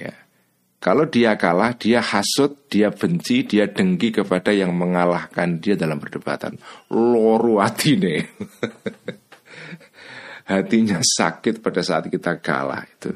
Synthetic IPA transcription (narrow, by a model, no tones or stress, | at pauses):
ja̰ | kalodiakalahd̥iahasʊt̪̚d̥iab̥əɲt͡ʃid̥iaɖ̥əŋkikəpad̥ajaŋməŋalahkandiadalampərdəb̥a̰t̪a̰nlɔɾuat̪ʰine | hat̪iɲasa̰kɪt̪̚pad̥asaʔat̪̚kit̪aɡ̥a̰la̰hit̪ṵ